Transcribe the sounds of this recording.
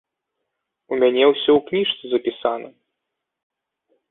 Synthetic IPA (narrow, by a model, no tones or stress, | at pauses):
umʲanʲɛwsʲɔwknʲiʂt̪sɨzɐpʲisanɐ̰